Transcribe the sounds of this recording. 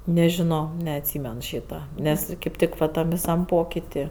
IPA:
nʲɛʒʲɪˈnoː nʲɛɐtʲˈsʲiːmʲɛn ˈʃʲiːtɐ ˈnʲɛs kɐɪp ˈtʲɪk ʋɐ ˈtɐm ʋʲɪˈsɐm ˈpoːkʲɪtʲɪ

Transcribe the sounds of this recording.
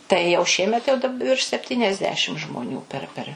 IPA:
tɐɪ jɛʊ ˈʃʲiɛmʲɛt jɛʊ dɐp ʋʲɪrʃ sʲɛpʲˌtʲiːnʲɛzʲˈdʲæːʃʲɪm ʒmoːˈnʲuː pʲɛr ˈpʲɛr

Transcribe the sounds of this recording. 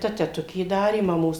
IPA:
ˈtɐ tʲɛˈtʊkʲeː ˈdɑːrʲeː mɐˈmoːs

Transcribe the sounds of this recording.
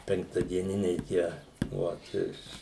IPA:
pʲɛŋktɐdʲiɛˈnʲɪnʲɛɪ ˈtʲiɛ ʋɐt ˈɪʃ

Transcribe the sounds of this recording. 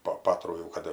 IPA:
poː ˈpɑːtruː jɛʊ ˈkɐt

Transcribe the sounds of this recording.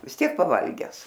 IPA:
ʋʲɪs ˈtʲiɛk pɐˈʋɐlʲɡʲæːs

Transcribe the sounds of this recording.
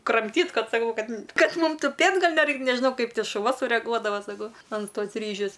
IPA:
krɐmʲˈtʲiːt ˈkɐt sɐˈkɐʊ ˈkɐt ˈkɐt ˈmuːm tʊˈpʲeːtʲ ˈɡɐlˠ nʲɛˈrɐɪkt nʲɛʒʲɪˈnɐʊ ˈkɐɪp ʃʊˈʋɐ sʊrʲɛˈɡuɔdɐʋɐ sɐˈkɐʊ ɐn ˈtoːs ˈrʲiːʒʲʊs

